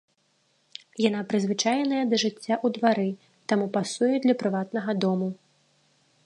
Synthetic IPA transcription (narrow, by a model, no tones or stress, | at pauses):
jan̪apɾɨzvɨt͡ʂajɛnɐjɐd̪ɐʐɨt͡sʲːaʔud̪vaɾɨ | t̪amupasujɛd̪lʲɐpɾɨvat̪nɐɣɐd̪ɔmu